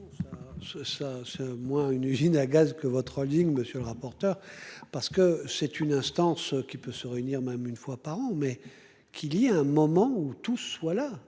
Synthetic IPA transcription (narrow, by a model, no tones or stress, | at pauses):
sasɛsasɛmwɛ̃ynyzinaɡazkəvɔt̪χɔliŋməsjøləʁapɔʁt̪œːʁpaʁsə̥kəsɛt̪ynɛ̃st̪ɑ̃skʲipøsəʁeyniʁmɛmynfwapaʁɑ̃mɛ | kʲʰiliaɛ̃mɔmɑ̃ut̪usːwala